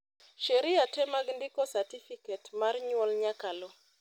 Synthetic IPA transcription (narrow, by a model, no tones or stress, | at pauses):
ʃeɾiatɛmaɡndɪkɔsatifiketmarɲwɔlɲakalo